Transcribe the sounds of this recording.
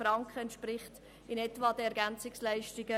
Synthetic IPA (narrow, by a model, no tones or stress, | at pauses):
ɾɑŋkχəɛntʃpɾɪχt | ɪnɛtvɑːd̥̪əɛɾɡænt͡sɪkslæɪʃtɪɡə